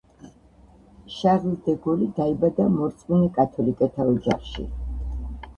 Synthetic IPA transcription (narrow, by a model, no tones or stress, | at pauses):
ʃaʁild̪ɛɡɔlid̪aibad̪amɔɾt̪sʼminɛkʼat̪ʰɔlikʼɛt̪ʰaɔd͡ʒa̰χʃḭ